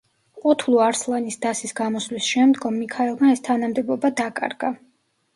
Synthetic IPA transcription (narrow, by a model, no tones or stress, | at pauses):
qʼut̪ʰlˠuaɾslˠanisd̪asisɡamɔslisʃɛmd̪ɡɔmːikʰaɛlˠmaɛst̪ʰanamd̪ɛbɔbad̪akʼa̰ɾɡ̥a